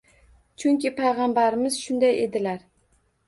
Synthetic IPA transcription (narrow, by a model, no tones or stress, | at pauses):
t͡ʃʰʊŋkʲɪpʰajʁɑmbaɾɪmɪzʃʊnd̪aje̞d̪ɪlaɾ